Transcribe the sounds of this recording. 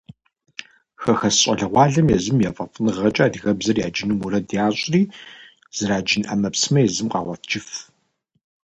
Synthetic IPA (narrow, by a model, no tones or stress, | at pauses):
xɐxɐsɕʼɐɮɐʁʷɑːɮɐmjɛzɨmjɛfʼɐfʼɨnɨʁɐt͡ʃʼaːdiɣɐbzɐrjaːd͡ʒɪnumuɾɐdijaːɕʷʼriː | z̥ɐɾaːd͡ʒɪnʔɐmɐpsɨmɐjɛzɨmqɑ̰ːʁʷɐtʰd͡ʒɪf